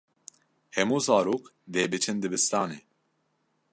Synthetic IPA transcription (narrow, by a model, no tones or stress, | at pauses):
hɛmuːzaːɾuːkd̪eːbɨt͡ʃʰɨnd̪ɨbɨst̪aːneː